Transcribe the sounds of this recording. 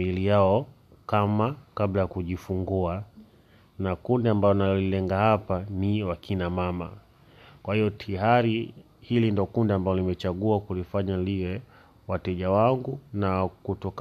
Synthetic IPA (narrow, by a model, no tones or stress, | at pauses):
ilijaɔ | kamakablajakuʄifuŋɡua | nakundiambajɔnaɔlilɛŋɡahapaniwakʰinamama̰ | kwahijɔtʰiɦaɾi | hilindiɔkundiambalɔlimɛt͡ʃaɠuakulifaɲaliwɛ | watɛʄawaŋɡunakutɔk